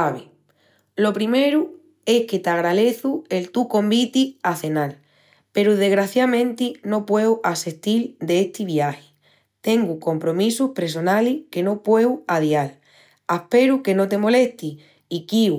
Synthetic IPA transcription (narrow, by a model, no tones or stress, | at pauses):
aβe | lo̞pɾime̞ɾu | e̞hke̞t̪aɣɾale̞θue̞lt̪ukõ̞mbit̪iaθe̞nal | pe̞ɾuðe̞ɣɾaθjamẽ̞nt̪ino̞pwe̞waseht̪ild̪eeht̪iβjahe̥ | t̪e̞ŋɡuko̞mpɾo̞misuhpɾes̬o̞nalihke̞no̞pwe̞waðjal | ahpe̞ɾuke̞no̞t̪e̞mo̞le̞ht̪i | ikiu